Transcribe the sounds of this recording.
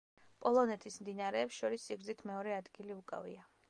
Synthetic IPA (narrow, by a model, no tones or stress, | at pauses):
pʼɔlˠɔnɛt̪ʰismd̪inaɾɛːpsʃɔɾisːiɡɾzit̪ʰmɛɔɾɛad̪ɡiliukʼa̰vḭa